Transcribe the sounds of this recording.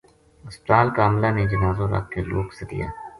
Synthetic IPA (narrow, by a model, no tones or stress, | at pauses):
ɐspət̪aːlkaːmlaned͡ʒɐnaːzõɾɐ̰kkelo̰ːksed̪ḭja̰ː